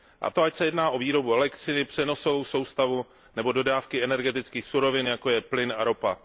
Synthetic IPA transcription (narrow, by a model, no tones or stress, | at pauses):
ʔa̰t̪o̞acsɛjɛdnaːʔo̞viːɾo̞buɛlɛkt̪rɪnɪpr̥ɛno̞so̞vo̞wso̞wst̪avu | nɛbo̞do̞daːfkɪɛnɛɾɡɛt̪ɪt͡skiːxsuɾo̞vɪnjako̞jɛplɪnaɾo̞pa